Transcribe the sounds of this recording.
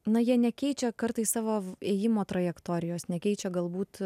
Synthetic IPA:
nɐjiɛnʲɛkʲɛɪt͡ʃʲɛkɐrt̪ɐɪssɑːʋoːeːjɪmoːt̪ɾɐjɛkt̪oːɾʲɪjoːsnʲɛkʲɛɪt͡ʃʲɛɡɐlˠbuːt̪

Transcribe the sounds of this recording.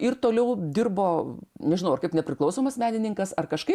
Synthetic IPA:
ɪrt̪oːlʲɛʊd̪ʲɪrboːnʲɛʒʲɪnɐʊɐrkɐɪpnʲɛpʲɾʲɪklˠɐʊsoːmɐsmʲæːnʲɪnʲɪŋkɐsɐrkɐʃkɐɪp

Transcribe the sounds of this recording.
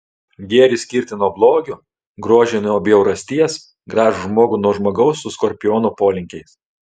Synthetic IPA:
ɡʲeɛɾʲɪsʲkʲɪɾʲt̪ʲɪnuɔblˠoːɡʲʊ | ɡɾuɔʒʲɛnuɔːbʲjɛʊɾɐsʲt̪ʲiɛs | ɡɾɑːʒʊʒmoːɡʊnuɔʒmoːɡɐʊsːʊskɔɾʲpʲɪjoːnupoːlʲɪŋʲkʲɛɪs

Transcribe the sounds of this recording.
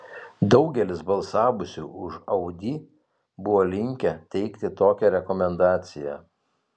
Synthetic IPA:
d̪ɒʊɡʲɛlʲɪsbɐlˠsɑːʋʊsʲuːʔʊʃɐʊd̪ʲiː | bʊʋoːlʲɪŋʲkʲɛt̪ʲɛɪkt̪ʲɪt̪oːkʲɛɾʲɛkɔmʲɛnd̪ɑːt̪sʲɪjɛ̰

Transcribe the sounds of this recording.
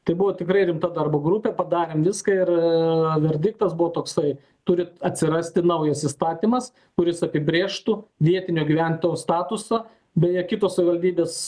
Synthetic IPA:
t̪ɐɪbʊʋoːt̪ʲɪkɾɐɪɾʲɪmt̪ɐd̪ɐrboːɡɾupʲɛpɐd̪ɑːɾʲeːmʋʲɪskɐɪrʋʲɛɾʲd̪ʲɪk̚t̪ɐsbʊʋoːt̪oːksɐɪ | t̪ʊɾʲɪɐt̪ʲsʲɪɾɐsʲt̪ʲɪnɐʊjɛsist̪ɑːt̪ʲiːmɐs | kʊɾʲɪsɐpʲɪbʲɾʲeːʃt̪uʋʲiɛt̪ʲɪnʲoːɡʲiʋʲæˑnʲt̪ojost̪ɑːt̪ʊsɐ | bʲɛjɛkʲɪt̪oːsɐʋʲɪʋɐlʲd̪ʲiːbʲeːs

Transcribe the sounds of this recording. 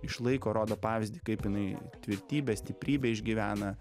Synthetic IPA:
ɪʃlˠɐɪkoːɾoːd̪oːpɑːʋʲɪzʲd̪ʲɪkɐɪpjɪnɐɪt̪ʲʋʲɪɾʲt̪ʲiːbʲɛsʲt̪ʲɪpʲɾʲiːbʲeɪʒʲɡʲiʋʲæːnɐ

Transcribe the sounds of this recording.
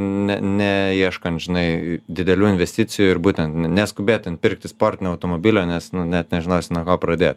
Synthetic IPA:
nʲɛnʲɛiɛʃkɐnt̪ʒʲɪnɐɪd̪ʲɪd̪ʲɛlʲuːɪnʲʋʲɛsʲt̪ʲɪt͡s̪ʲɪjuːɪɾbuːt̪ʲɛnt̪ʲnʲɛskʊbʲeːt̪ʲɪntpʲɪrk̚t̪ʲɪspoːrʲt̪ʲɪnʲoːɐʊt̪oːmoːbʲilʲoːnʲɛsnʊnʲɛt̪nʲɛʒʲɪnoʊsʲɪnɐkoːpɾɐd̪ʲeːt̪

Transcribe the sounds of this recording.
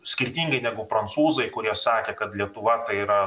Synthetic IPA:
sʲkʲɪɾʲt̪ʲiːŋɡɐɪnʲæːɡʊpɾɐnt̪suːzɐɪkʊɾʲiɛsɑːkʲeːkɐt̪lʲiɛt̪ʊʋɐt̪ɐɪiːɾɐ

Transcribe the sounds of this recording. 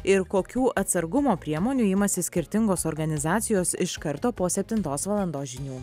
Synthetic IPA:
ɪɾkoːkʲuːʔɐt̪sɐɾɡʊmoːpʲɾʲiɛmoːnʲuːɪmɐsʲɪsʲkʲɪɾʲt̪ʲɪŋɡoːsoːɾɡɐnʲɪzɑːt̪sʲɪjoːsɪʃkɐɾt̪oːpoːsʲɛpʲt̪ʲɪnt̪oːsʋɐlˠɐnd̪oːsʒʲɪnʲuː

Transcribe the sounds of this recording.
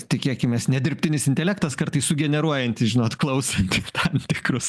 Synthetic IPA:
t̪ʲɪkʲiɛkʲɪmʲeːsnʲɛd̪ʲɪɾʲpʲt̪ʲɪnʲɪsɪnʲt̪ʲɛlʲækt̪ɐskɐɾt̪ɐɪssʊɡʲɛnʲɛɾuɔjɛnʲt̪ʲɪsʒʲɪnoːt̪klˠɐʊsɐnʲt̪ʲɪt̪ʰɐmt̪ʲɪkɾʊs

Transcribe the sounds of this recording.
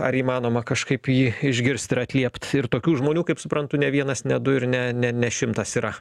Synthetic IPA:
ɐɾiːmɑːnoːmɐkɐʃkɐɪpjiːɪʒʲɡʲɪɾʲsʲt̪ɪɾɐt̪ʲlʲiɛpt̪ɪɾt̪oːkʲuːʒmoːnʲuːkɐɪpsʊpɾɐnt̪ʊnʲɛʋʲiɛnɐsnʲɛd̪ʊɪɾnʲɛnʲɛnʲɛʃʲɪmt̪ɐsiːɾɐ

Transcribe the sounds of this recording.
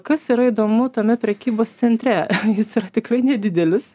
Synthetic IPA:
kɐsiːɾɐid̪oːmʊt̪ɐmʲɛpʲɾʲɛkʲiːboːst̪sʲɛnʲt̪ʲɾʲɛjɪsiːɾɐt̪ʲɪkrɐɪnʲɛdʲɪd̪ʲɛlʲɪs

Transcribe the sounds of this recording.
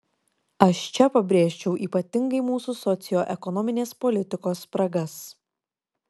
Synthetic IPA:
ɐʃt͡ʃʲɛpɐbʲɾʲeːʃʲt͡ʃʲɛʊʔiːpɐt̪ʲɪŋɡɐɪmuːsʊsɔt̪sʲɪjoːʔɛkɔnɔmʲɪnʲeːspɔlʲɪt̪ʲɪkoːspɾɐɡɐs

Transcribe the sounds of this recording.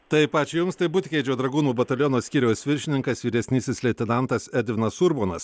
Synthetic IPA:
t̪ɐɪpɑːt͡ʃʲijʊmst̪ɐɪbʊt̪ʲkʲɛɪd͡ʒʲoːd̪ɾɐɡuːnuːbɐt̪ɐlʲjɔnoːsʲkʲiːɾʲɛʊsʲʋʲɪɾʲʃʲɪnʲɪŋkɐsʋʲiːɾʲɛsʲnʲɪsʲɪslʲɛt̪ʲɛnɐnt̪ɐsɛd̪ʲʋʲɪnɐsʊɾboːnɐs

